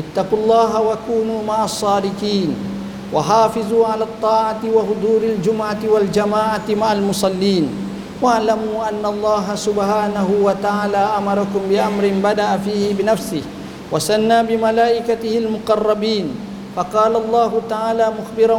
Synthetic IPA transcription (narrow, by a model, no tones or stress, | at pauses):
ʔɪt̪ːɑqulˤːɑːɦawakuːnuːmaʕɑsˤːɑːdɪqiːn | waħaːfɪzˤuːʕalaːt̪ˤːɑːʕat̪ɪwahʊd̪ˤuːɾald͡ʒʊmʕawald͡ʒamaːʕat̪maʕalmʊsˤɑlːiːn | waʕlamuːʔanːaɑlˤːɑːɦasʊbhaːnaɦʊwat̪aʕaːlaːʔamɑɾˤɑkʊmbɪʔamɾɪnbad̪aʔafiːhɪbɪnafsɪh | wasanːaːbɪmalaːʔɪkat̪ɪhɪlmʊqɑrˤːɑbiːn | fɑqɑːlaɑlˤːɑːɦʊt̪aʕaːlaːmʊxbɪɾ